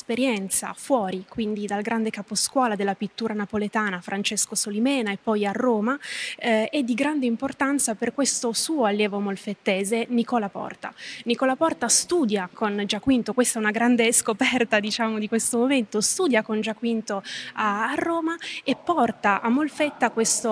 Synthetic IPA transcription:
speɾjɛnt̪sa̰fwɔːɾikwind̪id̪alɡɾand̪ekaposkwɔːlad̪elːapit̪ːuːɾanapolet̪aːnafɾʔant͡ʃeskosolimɛːnaepːɔjarːoːma | ɛd̪ːiɡɾand̪eimport̪ant̪saperkwest̪osuːoalːjɛːvomolfet̪ːɛːzenikɔlapɔ̰rt̪a̰nikɔːlapɔrt̪ast̪uːd̪jakond͡ʒakːwint̪okwest̪aɛunaɡɾand̪eskopɛrt̪ad̪it͡ʃaːmod̪ikwest̪omoment̪ost̪uːd̪jakond͡ʒakwint̪oaːrːoːmaepːɔrt̪aʔamːolfet̪ːakwest̪o

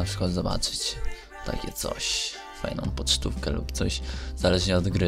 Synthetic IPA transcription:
apʂɘ̥kwad̪zɔba̰t͡ʂɘ̥t͡ɕ | t̪a̰kʲɛt̪sɔ̰ɕ | fa̰jnɔ̃w̃pɔtt͡ʂt̪ufkɛlṵpt̪sɔɕz̥alɛʐɲɛɔd̪ɡɾɘ

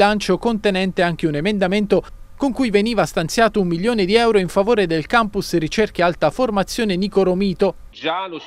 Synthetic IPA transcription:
lant͡ʃokont̪enɛnt̪eaŋk̟eunemend̪ament̪o | koŋkujveniːvast̪ant̪sjaːt̪oumːiljoːned̪iɛwɾoiɱfavoːɾed̪elkampusrit͡ʃerkealt̪aformat̪sːjoːnenikoɾomiːt̪o | d͡ʒ

